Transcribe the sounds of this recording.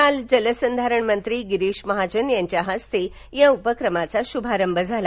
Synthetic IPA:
ald͡zələsənd̪ʱaɾəɳmənt̪ɾiːɡiɾeɕməɦad͡ʑənjaɲt͡ɕjaɦəst̪e | jãupəkɾəmat͡saɕubʱaɾəmbʱəd͡zʱal

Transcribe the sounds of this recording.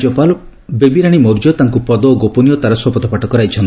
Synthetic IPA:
d͡ʒɔpal | bebiɾaɽ̃imoɾd͡ʒɔt̪aŋkupɔd̪ɔːɡoponijɔt̪aɾɔswɔpɔt̪ʰɔpaʈɔkɔɾajt͡ʃʰɔnt̪

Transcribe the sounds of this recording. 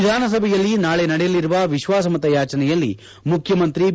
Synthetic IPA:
d̪ʱaːnɐs̬ɐbʱɛjɐlːinaːɭenɐɽɛjɐliɾuʋɐʋiʃʋaːs̬ɐmɐt̪ɐjaːt͡ʃɐnɛjɐlːḭ | mukʰjɐmɐnt̪ɾi

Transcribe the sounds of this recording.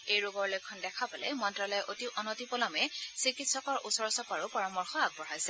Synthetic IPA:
ejɹoɡɔɹlojkʰɔndɛkʰapalɛ̰mɔntɹalɔjʔotiʔɔnotipɔlɔmɛsikitsɔkɔɹʔusɔɹsɔpaɹupɔɹɔmɔɹxɔaɡ̚bɔɹajsɛ

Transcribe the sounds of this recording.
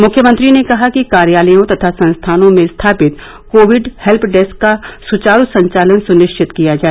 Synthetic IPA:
mʊkʰːjəmə̃nt̪ɾinekɐɦakikaːɾjaːlijõt̪ɐt̪ʰasɐ̃nst̪ʰaːnõmẽst̪ʰaːpɪt̪ | koːʋɪɖhɛlpʰɖɛskːasʊt͡ʃaːɾusɐ̃ɲt͡ʃaːlənsʊnɪʃt͡ʃʰɪt̪kijad͡ʒaːe

